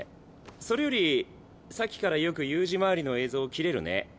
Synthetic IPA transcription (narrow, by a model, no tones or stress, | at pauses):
so̞ɾe̞jo̞ɾʲi | sakʲi̥kaɾajo̞kɯ̟jɯːʑimaɾʲino̞e̞ːzo̞ːkʲiɾe̞ɾɯ̟̰nḛ